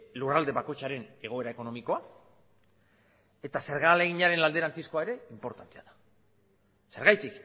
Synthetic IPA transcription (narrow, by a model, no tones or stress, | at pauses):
lurald̪e̞βako̞jt͡ʃaɾe̞ne̞ɣ̞o̞e̞ɾae̞ko̞no̞miko̞a | e̞t̪ase̞ɾɣaleɣiɲaɾe̞nlald̪e̞ɾant͡sisko̞aeɾe̞impo̞ɾt̪ant̪e̞aðḁ | se̞ɾɣajt̪ik